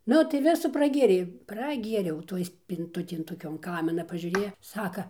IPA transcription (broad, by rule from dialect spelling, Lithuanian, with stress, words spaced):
ˈnʊ tɐɪ ˈʋʲɪsʊ prɐˈɡʲeːrʲɛɪ prɐˈɡʲiɛrʲɛʊ ˈtoːj sʲpʲɪnˈtʊtʲeːj toːˈkʲoːn ˈkɑːmʲɪnɐ pɐʒʲuːˈrʲeːjɛ ˈsɑːkɐ